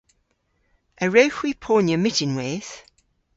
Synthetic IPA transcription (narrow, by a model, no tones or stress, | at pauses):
ʔəɹəʊxwipʰɔːnjəmɪtɪ̃nwɛːθ